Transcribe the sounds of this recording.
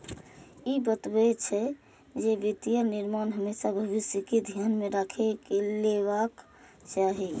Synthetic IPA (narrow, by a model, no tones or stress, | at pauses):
ibət̪bɛt͡ʃʰɛ | d͡ʒebit̪ijəɾniɾmanɦəmesabʱəʋisjəkid̪ʱjanmeɾakʰekeleʋak | t͡ʃaɦi